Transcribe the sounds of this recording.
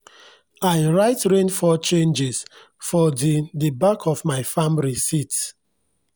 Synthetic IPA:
aɪɹaɪtɹẽnfɔt͡ʃẽnd͡ʒɛs | fɔdedebakʰɔvmaɪfamɹisit

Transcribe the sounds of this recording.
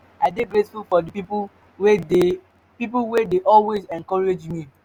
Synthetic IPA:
adeɡɾesfufɔdipip | wde | pipuwedeʔɔlwezɛ̃ŋkɔɹed͡ʒmi

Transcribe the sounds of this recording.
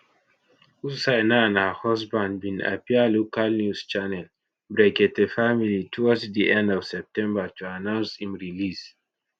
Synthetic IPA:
usajnanahɔsbãndbĩna̰pialokalnjust͡ʃanɛl | bɹɛɡɛtefamilitʰuɔsdiʔɛ̃ndɔv̥sɛp̚tɛ̃mbatuanãnsĩmɹilis

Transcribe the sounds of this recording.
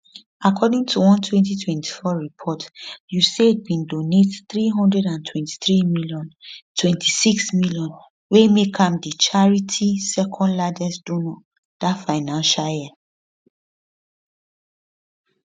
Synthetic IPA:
akʰɔdĩŋtʰuwɔ̃ntʰwɛ̃ntitʰwɛ̃ntʰi̥fɔɹipʰɔtjuseit̚bĩndonetθɹiɦɔ̃ndɹɛdãntʰwɛ̃nti̥θɹimiljɔ̃ntʰwɛ̃ntʰisiksmiljɔ̃n | wemekʰãmdit͡ʃaɹitʰisɛkʰɔ̃ndlad͡ʒɛsdonɔ | d̥atfaɪnãnʃaljɛ

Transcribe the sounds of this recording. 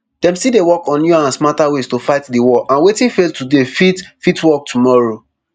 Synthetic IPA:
d̥ɛ̃mstidewɔkɔ̃nːjuãsmataweztofaɪtdiwɔʔãnwetĩnfeltudefitfitwɔk̚tumɔɹo

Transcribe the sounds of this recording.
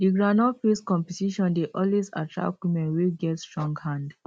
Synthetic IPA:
diɡɹanɔfeskɔ̃mpɛtiʃɔ̃ndeʔɔlwesa̰tɹa̰kwimɛ̃nwiɡɛtstɹɔ̃ŋɡhãnd

